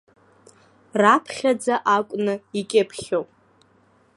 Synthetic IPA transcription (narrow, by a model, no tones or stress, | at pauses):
rapʰχʲad͡zaʔakʷʼnɨikʲʼepʰχʲowpʼ